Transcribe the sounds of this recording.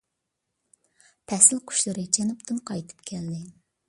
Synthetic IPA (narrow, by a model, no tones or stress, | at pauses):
pʰɛsɪlˠqʰʊ̥ʃlˠɨɾɨt͡ʃʰɛnupt̪ʰɨnqʰɑjt̪ʰɨ̥pkʲʰɛld̪ɪ